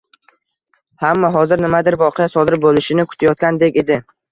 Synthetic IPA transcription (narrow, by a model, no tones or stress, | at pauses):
hamːaɦɒzɪɾnɪmad̪ɪɾvɒqʰejasɒd̪ɪɾbolˠɪʃɪnɪkʰʊ̥t̪ʰajɒt̪̚kʲand̪e̞kʲe̞d̪ɪ